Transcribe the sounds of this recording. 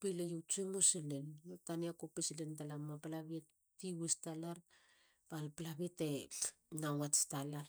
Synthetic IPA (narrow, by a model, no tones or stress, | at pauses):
pilejuwt͡ʃumosilenataniakopisilentalamaplaβiet | tːiwistalaɾ | palplaβite | nawatstalar